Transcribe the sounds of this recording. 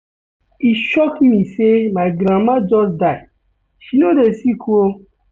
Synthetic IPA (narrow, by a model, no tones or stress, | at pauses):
iʃɔkmĩsemaɪɡɾãmad͡ʒɔsda | ʃinodesikʰuo